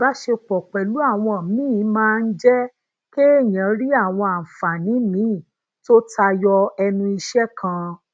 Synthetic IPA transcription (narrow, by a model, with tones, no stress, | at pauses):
ba˨˦ʃe˧k͡pɔ˨k͡pɛ˨lu˨˦a˦˨w̃ɔ̃˧˨mĩː˦˨˦mãː˦˧n̩˦d͡ʒɛ˦ | ke˦e˦˨j̃ã˨˧˦ɾi˦a˦˨w̃ɔ̃˧a˨m̩˨fa˨nĩ˨˦mĩ˨˦˨ | to˦tʰa˧jɔ˧ɛ˧nũ˧i˧ʃɛ˦kʰã˧